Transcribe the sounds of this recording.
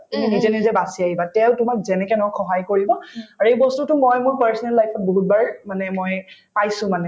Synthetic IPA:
tuminizɛnizɛbasiaɦibatɛʊtʊmak̚zɛnɛkɛnɔkʰːɔɦajkoɹibɔaɹuejbɔstutʊmojmʊɹpɛɹsɔnɛlːajpʰɔt̚boɦut̚baɹmanɛmojpajsʊ̃manɛ

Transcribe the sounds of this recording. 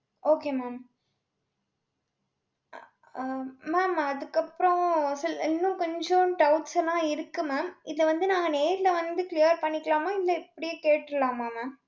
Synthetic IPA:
oːkeːmaːm | maːmɐðɯkːɐpːɾɔ̃sɐlɪnːʊ̃kɔɲd͡ʒõʈɐʊʈsɛlãːɪɾɯkːɯmaːmɪðɐʋɐnd̪ɯnãːŋɡɐneːɾɪlɐʋɐnd̪ɯkɪlɪjɐɾpɐɳːɪkːɐlaːmaːɪðlɐɪpːɐɽɪjeːkeːʈːɾɯlãːmaːmaːm

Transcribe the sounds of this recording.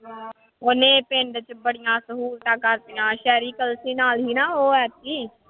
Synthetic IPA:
ʊnẽːpẽɳɖt͡ʃbəɽɪjãːsəɦuːlt̪aːkəɾt̪ɪjãːʃɛːɾiːkəlsiːnaːlɦiːnaːoːɛːt̪ʰiː

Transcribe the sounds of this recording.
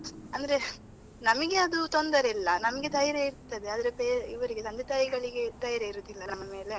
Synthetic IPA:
ɐnd̪ɐɾe | nɐmɐɡe̞ɐd̪ut̪ond̪ɐɾeilːɐnɐmɐɡed̪ɐjɐɾeiɾt̪ɐd̪eaːd̪ɐɾepeːɾiʋɐɾiɡet̪ɐnd̪et̪ajiɡɐɭiɡed̪ɐjɐɾeiɾoːd̪ilːɐnɐmːɐme̞ːle

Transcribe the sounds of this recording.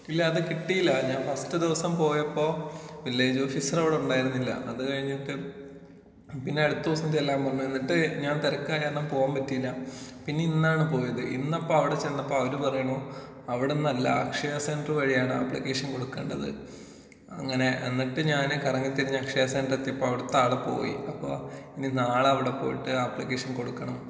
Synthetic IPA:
ilːɐɐðɨkiʈːijilːɐɲaːnfɐstɨd̪iʋɐsɐmpo̞ːjɐpːo̞ːʋilːeːd͡ʑofisɐrɐʋiɽeuɳɖaːjiɾunːilːɐ̰ʔɐðɨkɐɻiɲːiʈːɨ | pinːe̞ɐɽut̪ːuʋɐsnit̪elːaːmpɐrɐɲːue̞nːiʈːɨɲaːnt̪ɐɾɐkːaːjaːnːɐmpo̞ːjaːmpɐtːijilːɐpinːe̞inːaːɳɨpo̞ːjɐðɨʔinːɐpːoːɐʋiɽe̞t͡ɕenːɐpːo̞ːɐʋɐɾupɐrɐjuɳɐoː | ɐʋiɽenːɐlːɐ̰ɐkʂɐjaseːnɖrɨʋɐɻijaːɳɨɐ̰pːɭikːe̞ːʂɐnko̞ɽukːḛːɳɖɐðɨ̰ | ɐ̰ŋːɐne̞ʔenːiʈːɨɲaːnkɐrɐŋːit̪ːiɾiɲːɐɐkʂɐjasendrɐt̪ːjɐpːoːɐʋiɽet̪ːaːɭɐpo̞̰ːjḭɐpːo̞̰ːininaːɭɐʋiɽe̞po̞̰ːjiʈːɨɐpːlikːeːʂɐnko̞ɽukːɐɳɐm

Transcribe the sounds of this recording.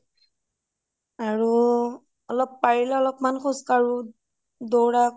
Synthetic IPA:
aɹu | ɔlɔpːaɹilɛɔlɔpmanxʰɔskaɹu | d̪ɔwɹa

